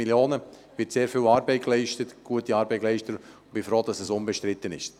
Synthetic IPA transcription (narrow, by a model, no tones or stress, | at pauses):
iljoːnə | vɪtseːɾfɪːwɑːɾbɛɪklɛɪʃtətɡ̥uətiɑːɾbɛɪklɛɪʃtəɾʊnb̥ɪfɾoːd̥ɑsɛsʊnbɛʃtɾɪt̪ːənɪʃ